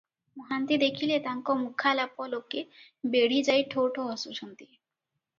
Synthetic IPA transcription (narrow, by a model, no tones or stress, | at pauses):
moɦant̪id̪ekʰilet̪aŋkɔmukʰːalapːolokːe | beɽ̤id͡ʑajʈʰoʈʰoɦɔsuʃont̪i